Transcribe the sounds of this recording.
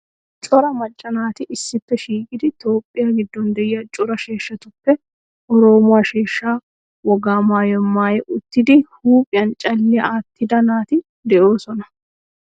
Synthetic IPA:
t͡ʃʼɔɾɐmɐt͡ʃʼːɐnaːt̪ɪʔɪsːɪpːɛʃiːkʼɪd̪ɪt̪o̞ːpʼːɪjaːɡɪd̪ːɔnd̪ɛjːɐt͡ʃʼʊɾɐʃe̞ːʃːɐt̪ʊpːɛ | ʔɔɾo̞ːmaːʃeːʃːaː | wɔɡaːmaːjɔmːaːjɛʔʊt̪ːɪd̪ɪhuːpʼɪjɐnt͡ʃʼɐlːɛaːt̪ːɪd̪ɐnaːt̪ɪ | d̪ɛʔoːsɔnɐ

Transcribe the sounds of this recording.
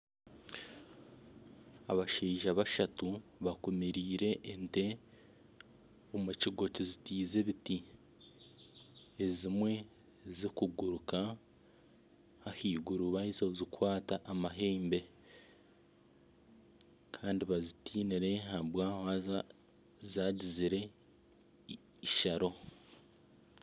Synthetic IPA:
a̰βaʃeːʒaβaʃatuβakumiɾiːɾe̞ʔːnte̞ | omuciɡo̞cizitiːze̞βiti | ezimwe̞ | zikuɡuɾuka | hahiːɡuɾuβaizozikwaːtaʔːmaɦe̞ːmbe̞ | kʰaːndiβazitiːniɾe̞ɦaβwaa | zaːɟiziɾe̞ | iʃaɾo̞

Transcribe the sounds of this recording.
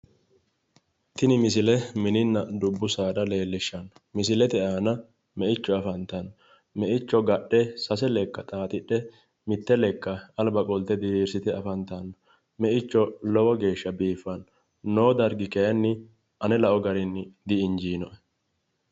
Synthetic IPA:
t̪ɪnɪmɪsɪlɛmɪnɪnːɐd̪ʊbːʊsaːd̪ɐle̞ːlːɪʃːɐnmɪs̬ɪlɛt̪ɛaːnɐ | mɛʔɪt͡ʃːɔɐfɐnt̪ɐn | mɛʔɪt͡ʃːɔɡɐɗːɛsɐsɛlɛkːɐt̪ʼaːt̪ʼɪɗːɛ | mɪt̪ːɛlɛkːɐɐlbɐkʼɔlt̪ɛd̪ɪɾiːɾsɪt̪ɛɐfɐnt̪ɐn | mɛʔɪt͡ʃːɔlɔwɔɡe̞ːʃːɐbiːfːɐnː | oːd̪ɐɾɡɪkɛjɐnːɪ | ʔɐnɛlɐʔɔɡɐɾɪnːɪd̪ɪɪnd͡ʒiːnɔʔɛ

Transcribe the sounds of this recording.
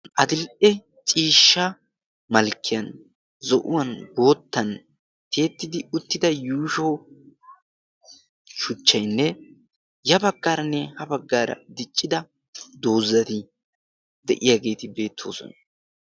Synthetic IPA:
ʔɐd̪ɪlʔɛ | t͡ʃʼiːʃːɐ | mɐlkːɪjɐn | zɔʔʊwɐnbo̞ːt̪ːɐn | t̪ʰe̞ːt̪ːɪd̪ɪʊt̪ːɪd̪ɐjuːʃoː | ʃʊt͡ʃːɐjnːɛ | jɐbɐɡːaːɾɐnːɛhɐbɐɡːaːɾɐ̰d̪ɪt͡ʃʼːɪd̪ɐ | d̪o̞ːzːɐt̪ɪ | d̪ɛ̰ʔɪjaːɡe̞ːt̪ɪbe̞ːt̪ʰːo̞̰ːsɔ̰nɐ

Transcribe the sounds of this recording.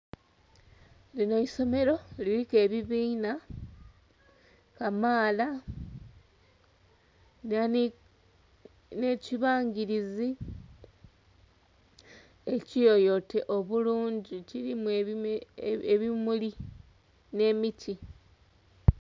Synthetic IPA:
lino̞iso̞me̞ɾo̞lilike̞ːβiβiːna | kamaːla | na | ne̞ciβaːɲɡiɾizi | e̞cijo̞jo̞te̞ʔo̞βuluːɲɟiciɾimue | eβimuli | ne̞ːmiti

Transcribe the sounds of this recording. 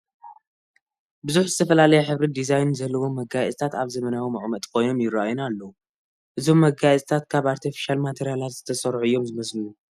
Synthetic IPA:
bɨzuħzɨt̪ʰɐfɐlalɐjɛħɨβɾid̪izajnzɐlːɐwo̞mɐɡajɛsʼt̪ʰat̪aβzɐmɐnawimɐʔʼmɐt̪ʼkʰo̞jno̞mjɪraʔajunalːɐwu | ʔɨzo̞mːɐɡajɛt͡sʼt̪ʰat̪kʰaβaɾt̪ʰifi̥ʃalmat̪ʰeɾijalat̪z̥ɨt̪ʰɐsɐɾʕuɨjːo̞mzɨmɐslɨju

